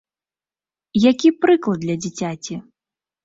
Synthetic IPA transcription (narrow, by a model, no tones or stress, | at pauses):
jakʲipɾɨklˠɐd̪lʲɐd͡zʲit͡sʲat͡sʲi